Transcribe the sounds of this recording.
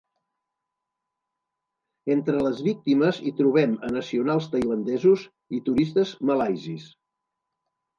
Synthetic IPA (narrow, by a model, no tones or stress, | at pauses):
ent̪ɾələzβik̚t̪iməzit̪ɾuβ̞ɛmənəsiunalˠst̪əjlənd̪ɛzuz | it̪uɾist̪əzməlajzis